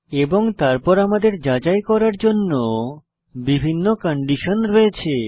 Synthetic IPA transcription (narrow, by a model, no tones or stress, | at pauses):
eboŋt̪aɾpɔɾamad̪eɾd͡ʑad͡ʑajkɔɾaɾd͡ʑonːo | bibʱinːokɔɳɖiʃonɾoet͡ɕʰe